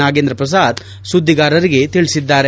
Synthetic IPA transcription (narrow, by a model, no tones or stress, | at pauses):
aːɡeːnd̪ɾɐpɾɐs̬aːd̪ | sud̪ʱːiɡaːɾɐɾiɡe̞t̪iɭisid̪ːaːɾe